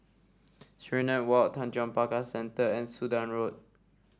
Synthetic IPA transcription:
sɹinãnwatʰãnd͡ʒɔ̃npakasɛ̃ntəɛ̃nsudãnɹot̚

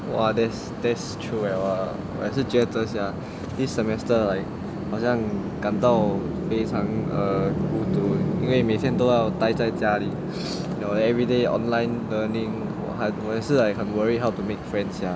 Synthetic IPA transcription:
wa̰dɛts | dɛtstʰɹuawa | w̰ɛ̰sid͡ʒɛtəsja | disːəmɛstəlaɪk̚ | had͡ʒãŋkãnt̪aw | pesʰãŋəkutuinwemet̪ʰɛ̃nt̪oawt̪ajtajtali | noɛɛvɹideɔ̰̃nlãɪnlənĩŋwa̰ɦawɔɛsəajkʰə̃nwəɹiɦawtumek̚fɹɛ̃nsja

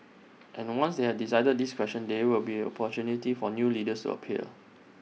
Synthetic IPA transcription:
ʔɛ̃nwãnsdehɛd̚disajdəd̚diskwɛstə̃ndewilbiɛ̃nɔ̰pʰɔtunitifɔnjulidəstṵə̰pʰḭəl

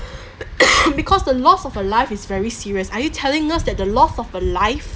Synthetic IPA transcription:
bikʰɔsdəlɔsɔvəlaɪfɪsvɛɹisiɹiəsajutʰɛlɪ̃ŋəsdɛt̚dəlɔsɔvəlaɪf

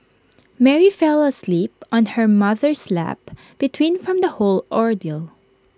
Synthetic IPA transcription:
mɛɹifɛlˠɐslip̚ɔ̃nhəɹmʌðəɹslæ̰p̚ | b̥ɪt̪ʰwĩnfɹɔ̃md̪ɐholʔɔɹd̪ilˠ

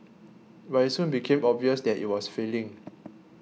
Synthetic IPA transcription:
ɹasũnbikʰẽmɔbviəsdɛtḭt̚wɔsfelĩŋ

